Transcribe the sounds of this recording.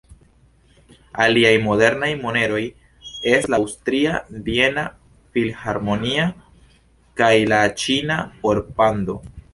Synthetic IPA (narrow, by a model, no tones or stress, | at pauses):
aliajmo̞de̞ɾnajmone̞ɾo̞j | e̞slawstɾiadie̞na | filhaɾmo̞nia | kajlat͡ʃinao̞ɾpando̞̰